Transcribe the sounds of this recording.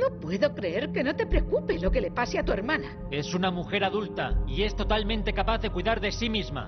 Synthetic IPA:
nopwe̞ðo̞kɾe̞eɾke̞no̞t̪e̞pɾe̞okupe̞lo̞kele̞paseat̪ue̞ɾmãna | e̞sunamuxe̞ɾaðult̪aie̞st̪o̞t̪almẽnt̪e̞kapaθðe̞kwiðaɾðe̞simizma̰

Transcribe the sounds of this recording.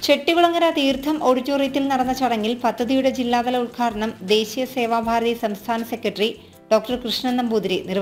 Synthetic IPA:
t͡ɕe̞ʈːiɣuɭɐŋːɐɾat̪iːrt̪ʰːɐmo̞ɽut͡ɕːoːrijɐt̪ːilnɐɽɐnːɐt͡ɕɐɽɐŋːilpɐd̪ʱːɐðijuɽe̞d͡ʑilːaːðɐlɐulkʰaːɾɐɳɐmd̪e̞ːɕijɐse̞ːʋaːbʱaːɾɐðisɐmst̪ʰaːnɐsekʲːɐʈri | ɖ̥o̞ːk̚ʈɐrkrɨʂɳɐnːɐmbuːd̪ɾinir

